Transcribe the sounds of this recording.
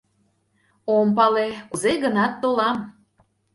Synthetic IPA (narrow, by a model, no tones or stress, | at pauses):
ompɑlekuzeɣənɑt̪ːolɑm